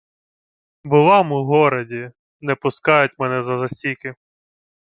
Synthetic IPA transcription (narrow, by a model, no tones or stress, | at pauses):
bʊlˠɑmʊɦɔɾɐdʲi | nɛpʊskɑjʊt̚ʲmɛnɛzɐzɐsʲikɪ